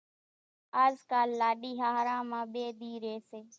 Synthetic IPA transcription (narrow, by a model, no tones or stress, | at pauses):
aːzkaːlːaːɗiːɦaːɦɾãːmãːɓeːd̪iːɾeːseː